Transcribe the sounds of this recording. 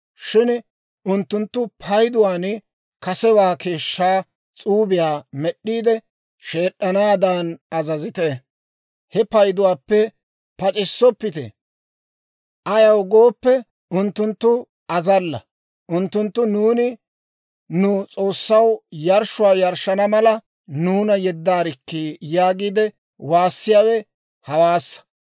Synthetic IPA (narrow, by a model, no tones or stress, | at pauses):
ʃɪn | ʊnt̪ːʊnt̪ːʊpʰɐjd̪ʊwaːn | kɐsɛwaːkʰe̞ːʃːaː | t͡sʼuːbɪjaːmɛɗːiːd̪ɛ | ʃe̞ːɗːɐnaːd̪anɐzɐzɪt̪e | hɛpɐjd̪ʊwaːpːɛ | pɐt͡ʃʼɪsːɔpːɪt̪ḛ | ʔɐjɐwɡoːpːɛ | ʊnt̪ːʊnt̪ːʊ | ɐzɐlːɐ̰ | ʔʊnt̪ːʊnt̪ːʊnuːnɪ | nʊt͡sʼo̞ːsːɐwjɐɾʃʊwaːjɐɾʃɐnɐmɐlɐ | nuːnɐjɛd̪ːaːɾɪkːiːjaːɡiːd̪ɛ | waːsːɪjaːwɛ | hɐwaːsːɐ̥